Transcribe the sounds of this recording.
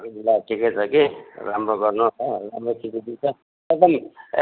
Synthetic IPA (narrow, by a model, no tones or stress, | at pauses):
ilaʈʰiket͡sʰʌkiɾamɾoɡʌrnoʌɾamɾokʰikid̪it͡sʰʌ | ek̚d̪ʌm